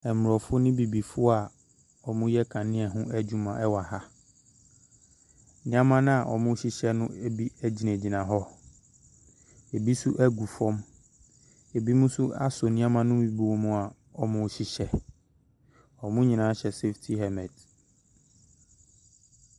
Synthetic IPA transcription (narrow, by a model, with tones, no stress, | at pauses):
ɛ˨mm˨ɔ˨fʊ˦nɪ̃˦bi˨bi˨fʊ˦a˨ | ɔ˨mʊ̃˦jɛ˦kʰã˨nɪ̃˦ɛ˨ɦʊ̃˦æ˦d͡ʑu˦mã˨ɛ˦wa˨ha˦ | nɪ̃˦ã˦mã˦nã˦a˨ʔɔ̰˨mʊ̃˦ɕi˦ɕɛ˦nʊ̃˦e˦bi˦æ˦d͡ʑi˨næ̃˨d͡ʑi˨nã˨ɦɔ˦ | e˨bi˦sʊ˦ʔæ˦ɡu˨fɔ̃˦m | e˨bi˦mʊ̃˦sʊ˦a̰˦so˨nɪ̃˦ã˦mã˦nʊ̃˦mĩ˨bi˨wɔ˨mʊ̃˨a˨ | ɔ˨mʊ̃˦ɕi˨ɕɛ˦ | ɔ˨mʊ̃˦ɲĩ˨nãː˨˦ɕɛ˨se˦ftʰi˦ɦɛ˨mɛ˨d